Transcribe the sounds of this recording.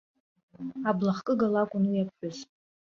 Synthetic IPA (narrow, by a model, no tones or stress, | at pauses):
ablaχkʼɨɡalakʷʼʊnujapʰħʊz